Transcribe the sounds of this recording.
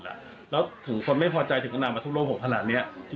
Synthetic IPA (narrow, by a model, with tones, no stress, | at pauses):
la̰˧˩ | lɛː˦˥wt̪ʰɯ˩˦ŋkʰo˧nma˥˩jpʰɔː˧t͡ɕa˧jt̪ʰɯ˩˦ŋʔa˧naː˧maː˧t̪ʰu˥loː˥˩pʰːŋk̪ʰa˧naː˨˩t̪̚ni˦˥ɐ